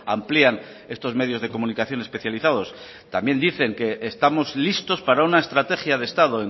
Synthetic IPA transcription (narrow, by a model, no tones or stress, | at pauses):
amplian | e̞st̪o̞zme̞ð̞jozðe̞ko̞munikaθjo̞ne̞spe̞θjaliθaðo̞s | t̪ambje̞nd̪iθe̞ŋke̞ːst̪amo̞zlist̪o̞spaɾaunaest̪ɾat̪e̞xjaðe̞st̪að̞o̞e